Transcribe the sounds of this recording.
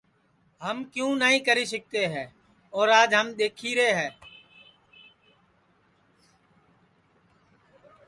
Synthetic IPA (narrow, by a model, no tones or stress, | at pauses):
ɦəmkjũːnəːĩːkəɾiːs̬ək̚t̪eːɦɛː | oːɾaːd͡ʒɦəmɗ̪eːkʰiːɾeːɦɛː